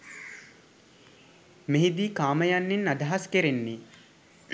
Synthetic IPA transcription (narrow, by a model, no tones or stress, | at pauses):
meɦid̪iːkaːmɐjanːinːad̪aɦaskeɾenːi